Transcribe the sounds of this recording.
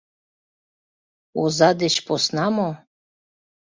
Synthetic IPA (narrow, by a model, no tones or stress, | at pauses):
ozɑd̪et͡ɕposnɑmo